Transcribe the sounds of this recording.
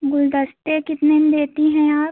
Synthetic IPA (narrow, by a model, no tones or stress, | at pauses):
ɡʊld̪əst̪ekɪt̪nem̃d̪eːt̪iɦɛ̃aːp